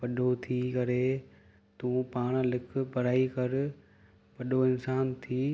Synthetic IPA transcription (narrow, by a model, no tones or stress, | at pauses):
pɐɗot̪ʰikɐɾe | t̪ũːpaːɽ̃lɪk̆ʰpɐɾaːikɐɾ | pɐɗoɪnsaːnt̪ʰiː